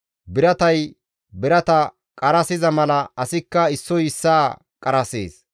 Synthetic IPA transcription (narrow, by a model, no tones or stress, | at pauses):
bɪɾɐt̪ɐj | bɪɾɐt̪ɐ | kʼɐɾɐsɪzɐmɐlɐɐsɪkːɐɪsːɔjɪsːaː | kʼɐɾɐsḛːs